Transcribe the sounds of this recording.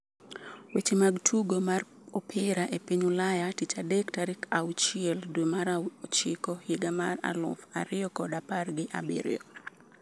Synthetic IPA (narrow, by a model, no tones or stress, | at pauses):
wet͡ʃemaɡtʰuɡomar | ɔpʰɪɾaʔepiɲulajatit͡ʃadɛktaɾikʰaut͡ʃɪɛldwemaɾat͡ʃɪkɔhiɡamara̰lʊ̰fa̰ɾɪjɔkɔdaparɡɪʔa̰bḭɾɪ̰ɔ